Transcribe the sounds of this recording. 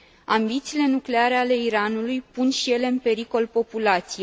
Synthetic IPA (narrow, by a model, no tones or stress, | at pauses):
ambit̪siːle̞nukle̞aɾe̞ale̞iɾanulujpunʃije̞le̞ɨnpe̞ɾiko̞lpo̞pulat̪sije